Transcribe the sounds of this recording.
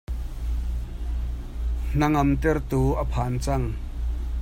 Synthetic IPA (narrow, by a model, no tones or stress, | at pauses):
n̥ɐŋɐmt̪ɛrt̪uːʔɐpʰaːnt͡sɐŋ